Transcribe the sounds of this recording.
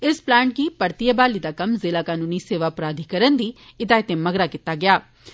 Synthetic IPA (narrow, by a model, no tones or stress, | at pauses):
ɪsplɛ̃ːɳʈ̚ɡipəɾt̪ijəbaːlid̪aːkɐmzelaːkaːnuːniseːʋapɾaːd̪ʱikɐɾənd̪iːɪd̪aːjɪt̪ẽmɐɡɾakɪt̪ːaɡɪjaː